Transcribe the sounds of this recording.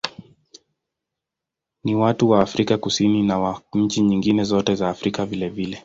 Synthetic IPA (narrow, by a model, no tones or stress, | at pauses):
niwatuwaːfɾikakusininawaɲ̩t͡ʃiɲiŋɡinɛzɔtɛzaːfɾikavilɛvilɛ